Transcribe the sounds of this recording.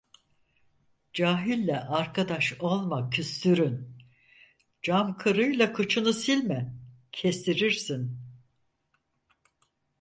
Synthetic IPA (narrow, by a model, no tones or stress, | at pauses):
d͡ʒaːɦilʲːɛʔaɾkʰad̪aʃo̞lˠmacʰyst̪ʰyɾyn | d͡ʒamkʰɯɾɯjlˠakʰɯt͡ʃʰɯnɯsilʲmɛ | cʰest̪ʰiɾiɾsin